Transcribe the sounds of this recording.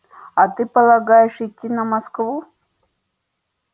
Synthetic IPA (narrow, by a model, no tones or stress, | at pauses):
ɐt̪ɨpəlˠɐɡajɪʂitʲːinɐmɐskvu